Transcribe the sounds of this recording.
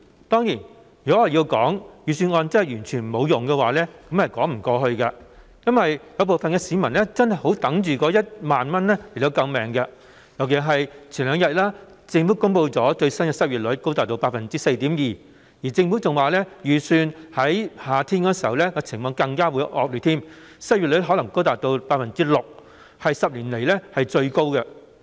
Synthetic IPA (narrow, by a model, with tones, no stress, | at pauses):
t̪ɔː˥ŋjiː˨˩n | jyː˨˩kɔ˨˥ɔ˨ji˧wkɔː˨˥ŋjyː˨syː˧nɔː˧nt͡sɐ˥˨jɥyː˨˩nt͡ʃʰyː˨˩n˨mo˨˧wjʊ˨ŋkɛ˧waː˨˩lɛː˥kɐ˨˥mhɐ˨jkɔː˨˥ŋm̩˨˩kɔː˧ɦɵ˧ɥkɐ˧ | jɐ˥nwɐ˨jjɐ˨˧wp̬o˨˩wfɐ˨nkɛː˧siː˨˧mɐ˨˩nlɛ˥t͡sɐ˥nhɐ˨˩jho˨˥wt̪ɐ˨˥ŋt͡ʃyː˨kɔː˨˧˥jɐ˥t̚maː˨nmɐ˥nlɛ˥le˨˩t̪o˧wkɐ˧wmɛː˨˩ŋkɐ˧ | jɐ˨wke˨˥ɦɐ˨jt͡ʃʰyː˨˩nlœː˨˧ŋjɐ˨t̚laː˥ | t͡sɪ˧ŋfuː˨˥kʊ˥ŋpo˧wt͡sɔː˨˥t͡ʃɵ˧ɥsɐ˥nkɛ˧sɐ˥t̚ɥyː˨t̚lɵ˨˥ko˥wt̪aː˨k̚t̪o˧wpa˧t̚fɐ˨˩nt͡siː˥se˧jt̪iː˨˥mjiː˨ | jiː˨˩t͡sɪ˧ŋfu˨˥t͡sʊ˨ŋwaː˨lɛː˥jyː˨˩syː˧nhɐ˨˥jhaː˨t̪ʰiː˥nkɔː˧siː˨˩hɐ˨wlɛː˥kɔː˧t͡sʰɪ˨˩ŋmɔː˨˧ŋkɐ˧ŋkaː˥wuː˨˥jʔɔ̰ː˨k̚ly˨˧t̪ʰiː˥m | sɐ˥t̚y˨lɦɔ˨˥lɐ˨˩ŋko˥wt̪aː˨k̚t̪o˧wpaː˧t̚fɐ˨˩nt͡siː˥lʊ˨k̚ | hɐ˨jsɐ˨p̚liː˨˩nle˨˩jlɛ˥hɐ˨jt͡sɵ˧ɥko˥wkɛ˧